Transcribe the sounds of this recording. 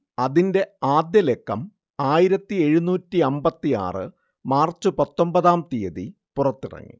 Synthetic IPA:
ɐðinde̞aːd̪jɐle̞kːɐm | aːjiɾɐt̪ːie̞ɻunuːtːiɐmbɐt̪ːia̰ːrɨ̰ | maːrt͡ɕːɨpɐt̪ːo̞mbɐðaːmt̪ijɐðḭ | purɐt̪ːirɐ̰ŋːḭ

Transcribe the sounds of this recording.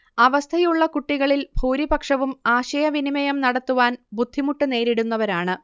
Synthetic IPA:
ɐʋɐst̪ʰɐjuɭːɐkuʈːiɣɐɭilbʱuːɾibɐkʂɐʋumaːɕɐjɐʋinimɐjɐmnɐɽɐt̪ːuʋaːnbud̪ʱːimuʈːɨne̞ːɾiɽunːɐʋɐɾaːɳɨ

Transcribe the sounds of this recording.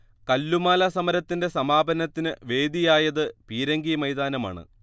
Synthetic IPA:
kɐlːumaːlɐsɐmɐɾɐt̪ːinde̞sɐmaːbʱɐnɐt̪ːinɨʋe̞ːd̪ijaːjɐðɨpiːɾɐŋɡimɐjd̪aːnɐma̰ːɳɨ̰

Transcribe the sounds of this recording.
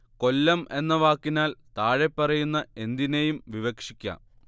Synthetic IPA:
ko̞lːɐme̞nːɐʋaːkːinaːlt̪aːɻepːɐrɐjunːɐe̞nd̪inejumʋiʋɐkʂikʲːɐ̰

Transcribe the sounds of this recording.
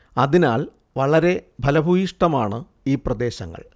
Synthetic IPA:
ɐðinaːl | ʋɐɭɐɾe̞bʱɐlɐbʱuiʂʈɐmaːɳɨ | iːprɐd̪e̞ːɕɐ̰ŋːɐ̰ɭ

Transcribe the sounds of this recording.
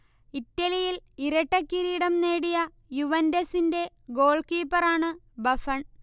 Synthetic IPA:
itːɐlijiliɾɐʈːɐkːiɾiːɽɐmne̞ːɽijɐ | juʋɐndɐsinde̞ | ɡo̞ːɭkiːpːɐraːɳɨ | bɐfɐɳ

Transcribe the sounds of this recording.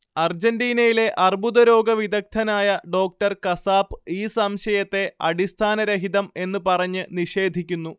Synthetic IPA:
ɐrd͡ʑɐnɖiːnɐjile̞ʔɐrbuðɐɾo̞ːɡɐʋid̪ɐk̚t̪ʰɐnaːjɐɖo̞ːk̚ʈɐrkɐsaːpiːsɐmɕɐjɐt̪ːe̞ɐ̰ɽist̪ʰaːnɐɾɐɦiðɐme̞nːɨpɐrɐɲːɨniʂe̞ːd̪ʱikʲːunːu

